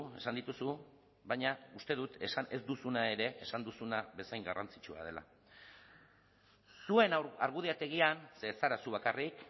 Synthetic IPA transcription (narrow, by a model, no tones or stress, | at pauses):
e̞̰sand̪it̪usu | βaɲaust̪e̞ðut̪esaezd̪usunae̞ɾe̞ʔesand̪usunaβe̞sajŋɡarant͡sit͡ʃua̰ð̞e̞la̰ | sue̞naɾɣuð̞iat̪e̞ɣ̞ianse̞saɾasuβakarik